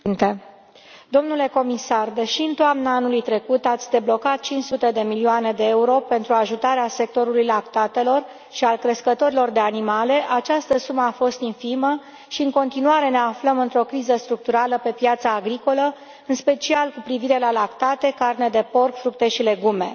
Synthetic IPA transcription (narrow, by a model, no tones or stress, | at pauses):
nt̪e | d̪o̞mnule̞ko̞misard̪eʃiɨnt̪oamnaanulujt̪ɾe̞kut̪at̪sʲd̪e̞blo̞kat̪̚t͡ʃint͡ʃsut̪e̞d̪e̞milioane̞d̪e̞euɾo̞pe̞nt̪ɾuaʒut̪aɾease̞k̚t̪o̞ɾulujlakt̪at̪e̞lo̞r | ʃialkɾeskət̪o̞ɾilo̞rd̪e̞animale̞ʔat͡ʃast̪əsuməafo̞st̪infimə | ʃiɨŋko̞nt̪inuaɾe̞ne̞afləmɨnt̪ɾo̞kɾizəst̪ɾuk̚t̪uɾaləpe̞pjat̪saːɡɾiko̞lə | ɨnspe̞t͡ʃialkupɾiviɾe̞lalakt̪at̪e̞karne̞d̪e̞po̞rkfɾuk̚t̪e̞ʃile̞ɡume̞̰